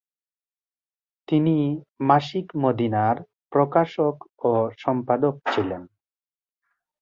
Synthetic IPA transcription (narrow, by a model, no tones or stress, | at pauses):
t̪inimaʃikmod̪inaɾ | pɾokaʃokoʃɔmpad̪ok̚t͡ɕʰilen